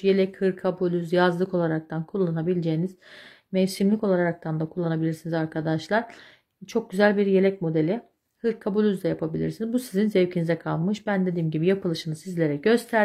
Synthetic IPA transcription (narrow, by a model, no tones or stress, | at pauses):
je̞lʲɛchɯɾkʰabulʲyzjazlˠɯko̞lˠaɾak̚t̪ʰankʰulˠːanabilʲed͡ʒejiniz̥mɛvsimlʲiko̞lˠaɾaɾak̚t̪ʰand̪akʰulˠːanabilʲiɾsinizaɾkʰad̪aʃlˠaɾ̥ | t͡ʃʰo̞k̚ɟyzælʲbiɾje̞lʲɛc̚mo̞d̪e̞lʲi | hɯɾkʰabulʲyzd̪ɛjapʰabilʲḭɾsinizbusizinzɛvcʰinizɛkʰalˠmɯʃbænd̪e̞d̪iːmɟibijapɯlˠɯʃɯnɯzsizlʲe̞ɾɛɟø̞st̪ʰæɾ